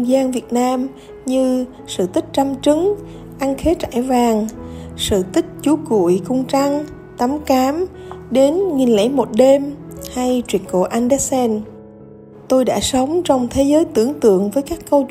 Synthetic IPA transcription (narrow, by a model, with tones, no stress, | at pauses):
zaː˧nvi˨˩ət̚naː˧m | ɲɨ˧ | sɨ̰˧˨t̪ï˦˥k̚t͡ɕa˧mt͡ɕɨ˨˦ŋ | ʔa˧ŋxe˨˦˥t͡ɕa̰ː˧˩jvaː˨˩ŋsɨ̰˧˨t̪ï˦˥k̟̚t͡ɕu˨˦kṵ˧˩˨jkʊ˧ŋ͡mt͡ɕa˧ŋ | t̪a˨˦mkaː˨˦m | ɗe˨˦nŋi˨˩nlə̰˧˥jmo˨˩t̚ɗe˧mha˧jt͡ɕwi˨˩ənko̰˧˨ʔa˧nɗɛ˦˥sɛ˧n | t̪o˧jɗa̰ː˧˥sə˨˦wŋ͡mt͡ɕɔ˧wŋ͡mt̪ʰe˨˦zəː˨˦jt̪ɨ˧˩əŋt̪ɨ̰˧˨əŋvəː˨˦jkaː˦˥kːə˧wt͡ɕ